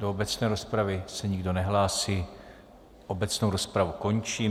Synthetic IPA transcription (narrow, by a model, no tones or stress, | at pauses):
doobɛt͡snɛːɾo̞spɾavɪsɛɲɪɡdo̞nɛɦlaːsi | ʔo̞bɛt͡snowɾo̞spɾavuko̞ɲt͡ʃiː